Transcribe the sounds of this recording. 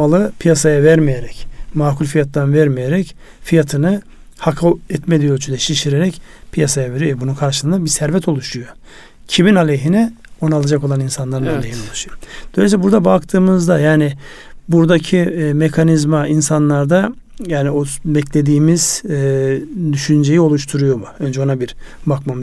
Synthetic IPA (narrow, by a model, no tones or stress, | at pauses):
alˠɯpʰijasajavæɾmijeɾɛcmaːkulʲfijat̪lˠanvæɾmijeɾɛc | fijat̪ʰɯnɯ | hakʰaɛt̪med̪ʲijot͡ʃʰynd̪ɛʃiʃiɾeɾɛcpʰijasajave̞ɾijoɛbununkʰaɾʃɯsɯnabisæɾvɛt̪ʰo̞lˠuʃujo̞ | cʰiminalʲejɦinɛ | o̞nalˠad͡ʒakoaninsanlˠaɾɯnaalʲeɦino̞lˠuʃujod̪̥olʲɛsʲɛbuɾd̪abakt̪ʰɯːmɯzd̪ajaːnɪ | buɾd̪acʰimekʰanizmainsanlˠaɾd̪a | jaːniobɛclʲe̞d̪iːmiz̥ | d̪yʃynd͡ʒe̞jio̞lˠuʃt̪ʰuɾujo̞muønd͡ʒɛo̞nabiɾbakmam